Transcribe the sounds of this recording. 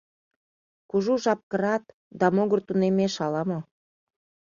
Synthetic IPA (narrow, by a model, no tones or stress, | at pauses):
kuʒuʒɑp̚kə̆ɾɑt̪̚ | d̪ɑmoɣərt̪unemeʃɑlɑmo